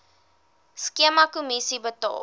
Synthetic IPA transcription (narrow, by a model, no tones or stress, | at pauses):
skiəmɐkumisibətɑ̰ː